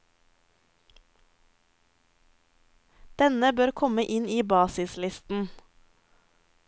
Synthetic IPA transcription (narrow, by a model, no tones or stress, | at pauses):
d̪̥ɛnəbøːɾkʰɔməʔɪniːbɑːsɪslɪst̪n̩